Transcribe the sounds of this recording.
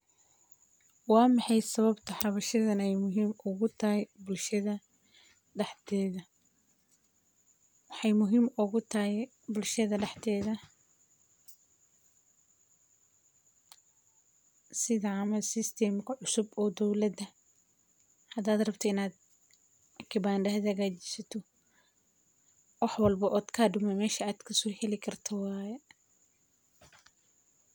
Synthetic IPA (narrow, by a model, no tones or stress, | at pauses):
wɑːmɑħɑjsɐβɐbt̪ʰɐħrɐβɐʃɐðɐnɛjmʊɦiːmʊɣʊt̪ʰɐɦɛbʊlʃɐðɐ | ɖɛħt̪ʰɛːðɐ | wɑħɑjmʊɦiːmʊɣʊt̪ʰɐɛɛ | bʊlʃɐðɐɖɛħt̪ʰɛːðɐ | sɪðɐʕɑːmɐsɪst̪ʰɛmkʰɐʕʊsʊbɔːd̪ɔwlɐd̪ɐ | hɐd̪aːd̪rɐbt̪ʰɔɪnaːd̪̚ | kʰɪbaːnɖɐɦd̪hɐɣaːt͡ʃɪ̥sɐt̪ʰɔ | wɑħwɐlbɐʔɔːd̪kʰaːɖʊmɛmɛːʃɐaːd̪̥kʰɐsɔːhɛlɪkʰɐrt̪ʰɐwɑːjɛ